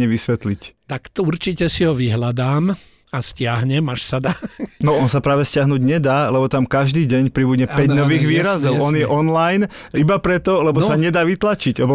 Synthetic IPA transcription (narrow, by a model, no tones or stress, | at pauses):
ɲɛʋisʋɛt̪lict̪akt̪ɔuɾt͡ʃicɛsiɦɔʋiɦlad̪aːm | ascɪaɦɲɛmaʃsad̪aːnɔɔnsapɾaːʋɛscɪaɦnuːɟɲɛd̪aːlɛbɔt̪amkaʒd̪iːɟɛɲpɾibuɟɲɛpɛɟnɔʋiːɣʋiːɾazɔʊɔnjɛʔɔnlajn | ibapɾɛt̪ɔlɛbɔsaɲɛd̪aːʋit̪lat͡ʃiɟlɛbɔ